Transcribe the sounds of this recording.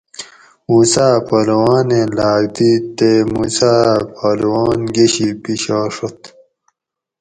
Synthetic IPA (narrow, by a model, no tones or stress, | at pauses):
muːsaːpɐlwaːneːlaːɡ̚d̪iːt̪emuːsaːpʰalwaːnɡeɕiːpiɕaːʂot̪